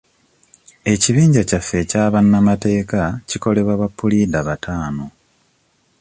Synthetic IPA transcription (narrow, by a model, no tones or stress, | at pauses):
e̞ciβiːɲɟacafːe̞caːβanːamate̞ːkaciko̞le̞βwaβapːulidaβatʰaːno̞